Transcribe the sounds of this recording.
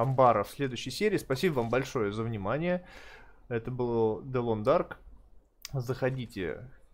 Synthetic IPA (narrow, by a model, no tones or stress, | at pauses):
ɐmbaɾəfsʲlʲe̞d̪ʊjɕːəjsʲeɾʲɪiːspɐsʲibəvambɐlʲʂo̞jəzəvnʲɪmanʲɪjə | ɛt̪əbɨlˠəd̪əlˠond̪ark | zəxɐdʲitʲɪ̰